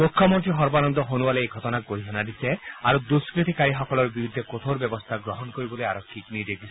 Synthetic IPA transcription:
pokʰːjɔmɔnt̪ɾiɦɔɾbanɔnd̪ɔɦonualeeɡʱɔt̪ɔnakɡoɾiɦanad̪iseaɾud̪uskɾit̪ikaɾiɦɔkɔlɔɾbiɾud̪ʱːekot̪ʰoɾbjɔbɔst̪ʰaɡɾɔɦɔnkoɾibɔlojaɾɔkʰːiknid̪ekis

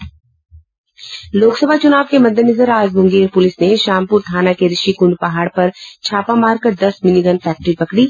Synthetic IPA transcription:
loːksəbʱat͡ʃʊnaːʋkemɐd̪ʱːənɐzəɾaːzmʊ̃ŋɡeːɾpʊlɪsneʃaːmpʊːɾt̪ʰaːnakeɾɪʃikʊ̃ɳɖpɐɦaːɽpɐɾt͡ʃʰaːpamaːɾkɐɾd̪ɐsmɪniɡənfɛːk̚ʈɾipɐkɽiː

